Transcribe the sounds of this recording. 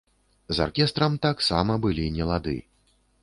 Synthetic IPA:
za̰rkʲɛst̪ɾɐmt̪aksamɐbɨlʲinʲɛlˠad̪ɨ̰

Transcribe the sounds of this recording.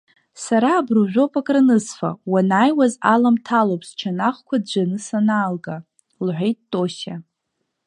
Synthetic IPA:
saɾaːbruʒᶣopʼakʼranɨsfa̰wanajwazalamtʰalopʰʼst͡ʃʰanaχkʷʰad̚d͡ʒʷanɨsanaːlɡa | lħʷejt̚ːʼo̞ɕa

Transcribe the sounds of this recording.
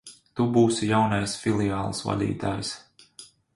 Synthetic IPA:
t̪ubuːsjawnajsfilˠijaːlˠsva̰d̪ḭːt̪aːjs

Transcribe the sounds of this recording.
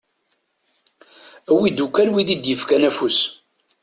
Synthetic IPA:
æwid̪ukːælwiðid̪jəfkænæfus

